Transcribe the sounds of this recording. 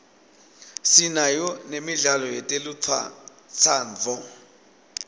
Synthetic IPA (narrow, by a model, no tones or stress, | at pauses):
sinajɔnemiɮalɔjɛtʼelut͡sʰa̰ | t͡sʰaːnd͡zʱɔ